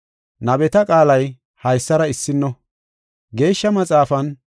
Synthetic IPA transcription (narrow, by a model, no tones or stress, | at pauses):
nɐbɛt̪ɐkʼaːlɐj | hɐjsːɐɾɐɪsːɪnːɔ | ɡe̞ːʃːɐmɐt͡sʼaːfɐn